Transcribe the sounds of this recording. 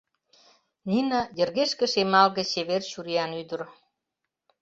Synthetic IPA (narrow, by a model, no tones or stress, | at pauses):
nʲinɑjərɣeʃkə̆ʃemɑlɣə̆t͡ɕeβerɕuɾiɑnyd̪ə̆r